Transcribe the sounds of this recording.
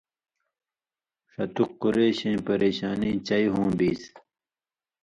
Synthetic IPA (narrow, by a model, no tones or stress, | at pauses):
ʂɐt̪uqːuɾeːɕẽːpɐɾeːɕaːnĩːt͡ɕɐjɦõːbiːs